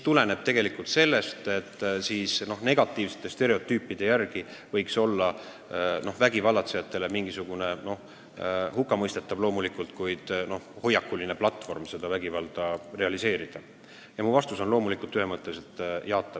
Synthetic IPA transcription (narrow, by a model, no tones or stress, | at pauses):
mit̪ule̞ne̞b̥̚t̪e̞ɡ̥e̞likːˑult̪se̞lːe̞st̪et̪ːsiːsno̞hne̞ɡ̥ɑt̪ːˑiːvset̪ːe̞st̪e̞ɾe̞o̞t̪ːˑyːpːˑid̪̥e̞jærɡ̥ivɤjkso̞lːɑ | no̞hvæɡ̥ivɑlːɑt̪se̞jɑt̪ːˑe̞le̞miŋɡisuɡ̥une̞no̞h | hukːˑɑmɤjst̪e̞t̪ːˑɑb̥lo̞ːmulikːˑult̪kujd̪̥no̞hho̞jːɑkːulineplɑt̪ːˑfo̞rmse̞d̪ɑvæɡ̥ivɑld̪̥ɑre̞ɑlise̞ːɾid̪̥ɑ | jɑmuvɑst̪uso̞nlo̞ːmulikːˑult̪ːˑyhemɤt̪ːˑeset̪jɑːt̪ːˑɑ̥